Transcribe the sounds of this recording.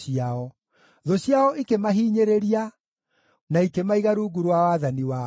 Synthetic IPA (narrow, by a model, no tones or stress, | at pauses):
iaɔ | ðoɕjaɔʔikemaɦiːɲeɾeɾia | naikemaiɣaɾuːɡuɾwawaðaniwa